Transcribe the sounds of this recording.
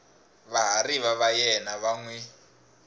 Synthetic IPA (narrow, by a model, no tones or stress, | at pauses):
βaɦariβaβajɛnaβaŋwɛ